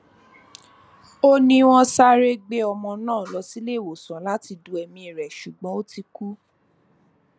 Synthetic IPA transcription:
o˦nĩ˧w̃ɔ̃˧sa˦ɾe˦ɡ͡be˦ɔ˧mɔ̃˧nãː˦˨lɔ˧si˦le˦˨wo˨sã˨˦la˦ti˧du˧ɛ˧mĩ˧i˨ɾɛ˨ʃu˨ɡ͡bɔ̃˨˦o˦ti˧ku˦

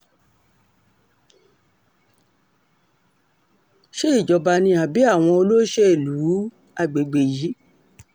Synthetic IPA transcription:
ʃe˦i˦˨d͡ʒɔ˨ba˧nĩ˧a˨bi˨˦a˦˨w̃ɔ̃˧o˧lo˦ʃɛ˦e˨lu˨˦ | a˧˨ɡ͡be˨ɡ͡be˨jiː˨˦

